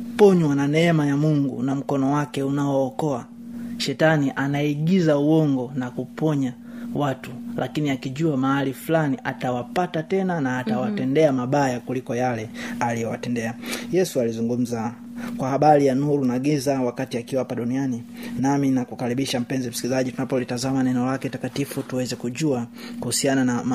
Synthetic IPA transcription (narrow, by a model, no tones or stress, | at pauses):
pɔɲwananɛɛmajamuŋɡṵnam̩kɔnɔwakɛunaɔːkɔa | ʃɛtaniʔanaiɡizauɔŋɡɔnakupɔɲa | watulʔakiniakiʄuamaalifulaniʔa̰tawapatatɛnanaːtawatɛndɛamaɓajakulikɔjalɛalijɔwa̰tɛndɛajɛsualizuŋɡum̩za | kwahaɓalijanuɾunaɡizawakatiakiwaapaɗunianinaminakukaɾiɓiʃam̩pɛnzim̩si̥kilizaʄitunapɔlitazamanɛnɛɔlakɛtakatifutuwɛzɛkuʄuakuhusiananam